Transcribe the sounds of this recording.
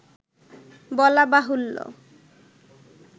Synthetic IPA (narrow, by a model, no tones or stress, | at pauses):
bɔlabaɦulːo̰